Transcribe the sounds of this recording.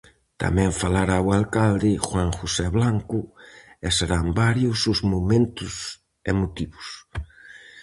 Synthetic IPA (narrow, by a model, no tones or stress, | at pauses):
t̪a̰mɛ̃ɱfalaɾawalkald̪ɪxwaŋxusɛβlaŋkʊeseɾambaɾjʊsʊzmomẽnt̪ʊs | emot̪iβʊs